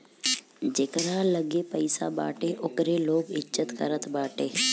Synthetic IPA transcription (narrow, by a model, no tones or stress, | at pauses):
d͡ʒekɾaləɡeːpəɪsa̰ba̰ːʈeʔʊkɾeːloːɡɪʃət̪kə̰ɾət̪baːʈeː